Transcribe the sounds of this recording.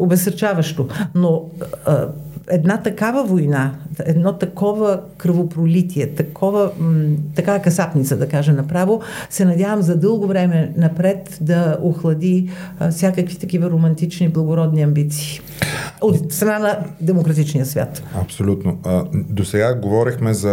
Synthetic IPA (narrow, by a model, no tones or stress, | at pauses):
obɛsəɾt͡ʃavɐʃt̪ono | ɛd̪nat̪ɐkavəvojnaɛd̪nɔt̪ɐkɔvəkɾvopɾolit̪iɛt̪ɐkʰɔvət̪ɐkavɐkɐsapnit̪səd̪ɐkaʒɛnɐpɾavosɛnɐd̪ʲavəmzɐd̪ɤlˠɡovɾɛmɛnɐpɾɛt̪d̪ɐoxlˠɐd̪ifsʲjakəkvit̪ɐkivɐɾomɐnt̪it͡ʃniblˠɐɡoɾɔd̪niɐmbit̪si̥ː | ot̪st̪ɾɐnanɐd̪ɛmokɾɐt̪it͡ʃnijəsvʲa̰t̪ɐpsolʲut̪nod̪osɛɡaɡovɔɾixmɛzɐ